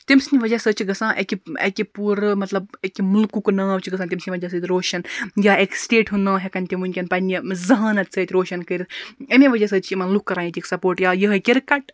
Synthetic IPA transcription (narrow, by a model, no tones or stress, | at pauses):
t̪imsniʋɐd͡ʒɐsət͡ʃʰiɡɐsãːʔekiḛkʲipuɾmɐt̪lɐbekimulkuknãːt͡ʃʰiɡɐsãːt̪imsniʋɐd͡ʒɐsət̪ʲɾoːʃɐnjaːeksʈeːʈɦunãːɦekɐnʲt̪imunʲkʲɐnpɐnʲizɐɦaːnɐt̪̚t͡sʰət̪ʲɾoːʃɐnkəɾʲiɐmʲẽʋɐd͡ʒɐsəːt͡ʃʰimɐnlukːɐɾaːjĩt̪ʲeːksɐpoːɾʈjaːjəɦɐkʲiɾkɐʈ